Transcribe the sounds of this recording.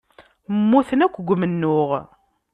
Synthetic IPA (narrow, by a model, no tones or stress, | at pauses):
mːuθənækʷːɡʷmənːʊʁ